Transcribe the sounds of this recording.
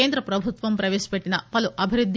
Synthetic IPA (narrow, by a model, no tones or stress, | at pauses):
eːnd̪ɾɐpɾɐbʱut̪ʋɐmpɾɐʋeːʃɐ̥peʈːinɐpɐluʔɐbʱiɾud̪ʱː